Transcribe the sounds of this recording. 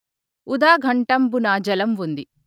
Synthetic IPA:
ud̪aːɡʱɐɳʈɐmbunaːd͡ʒɐlɐmʋund̪i

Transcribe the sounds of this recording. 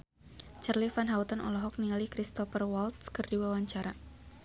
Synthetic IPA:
t͡ʃərlifanɦaut̪ənɔ̰lɔɦɔk̚niŋalikɾist̪ɔfərwalt̪̚skərdiwawaɲt͡ʃaɾa

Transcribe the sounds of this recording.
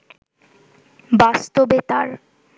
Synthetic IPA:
bast̪obet̪a̰ɾ

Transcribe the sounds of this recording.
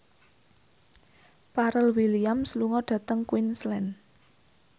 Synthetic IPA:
paɾəlwiliamsluŋɔɖ̥ä̤t̪əŋkwinslɛn

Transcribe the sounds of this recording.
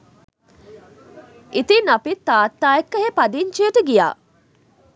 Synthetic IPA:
ʔit̪inɐpit̪ːaːt̪ːaːekːɐɦeːpɐd̪iɲt͡ʃiɐʈəɡija̰ː

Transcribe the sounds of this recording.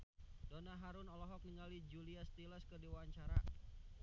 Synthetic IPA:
d̥onaɦaɾʊnɔlɔɦɔk̚niŋalid͡ʒuliast̪iləskərdiwaaɲt͡ʃaɾa

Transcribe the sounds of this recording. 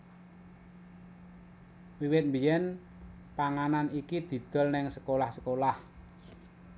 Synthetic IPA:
wiwɪt̪̚mbi̤jɛn | paŋananikid̪̥i̤d̪̥ɔ̤lnɪŋsə̥kolahsəkolah

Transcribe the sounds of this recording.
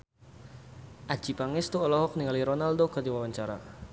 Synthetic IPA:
ʔḁʒ̥i̤paŋɪst̪uɔlɔhɔk̚niŋaliɾɔnaldoɡɔd̪iwawaɲt͡ʃaɾa̰

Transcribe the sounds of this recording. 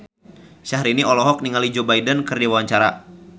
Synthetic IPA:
ʃaɦɾiniʔɔlɔɦɔk̚niŋalid͡ʒobaidənkɨrdiwawaɲt͡ʃaɾa

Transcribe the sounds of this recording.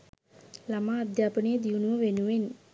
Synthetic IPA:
lamaːd̪ʱjaːpənejəd̪iunuʋəʋenuʋen

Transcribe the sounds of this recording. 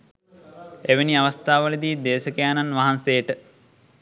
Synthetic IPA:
eʋeniaʋast̪aːʋələd̪iːd̪eːsəkəjaːnanʋaɦansejəʈə

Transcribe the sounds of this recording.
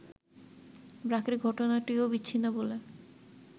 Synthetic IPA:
bɾakɾiɡʱɔʈonaʈiobitːɕʰinːobole

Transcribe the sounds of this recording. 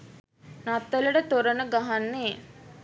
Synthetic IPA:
nat̪ːələʈət̪oɾənəɡaɦanːeː

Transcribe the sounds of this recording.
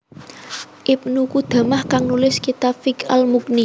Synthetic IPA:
ʔip̚nukud̪̥ä̤mahkaŋnulɪskit̪afika̰lmukni

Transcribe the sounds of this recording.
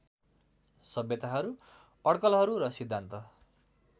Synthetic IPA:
sʌbjʌt̪aɦʌɾu | ʌɽkʌlɦʌɾuɾʌsid̪ʱːant̪ʌ

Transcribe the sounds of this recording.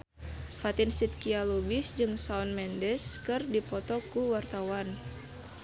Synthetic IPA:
fat̪insit̪̚kialubisd͡ʒɨŋsaɔnmɛndɛskɨrdipɔt̪ɔkuwart̪awan

